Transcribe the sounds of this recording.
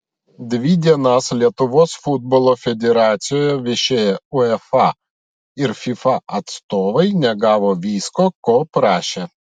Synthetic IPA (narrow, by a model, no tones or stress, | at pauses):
d̪ʲʋʲid̪ʲiɛnɐslʲiɛt̪ʊʋoːsfʊd̪̚bolˠoːfʲɛd̪ʲɛɾɑːt̪sʲɪjoːjɛʋʲɪʃʲeːjɛʊɛfɑ | ɪɾfʲifɑʔɐt̪st̪oːʋɐɪnʲɛɡɑːʋoːʋʲiːskoːkoːpɾɑːʃʲeː